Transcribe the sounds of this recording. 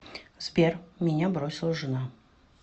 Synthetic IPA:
z̥bʲermʲɪnʲabɾosʲɪlˠəʐɨna

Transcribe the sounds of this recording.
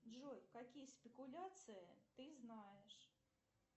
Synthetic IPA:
ʐɔjkakʲijɐsʲpʲɛkulʲat̪sɨjɐt̪ɨznajɛʂ

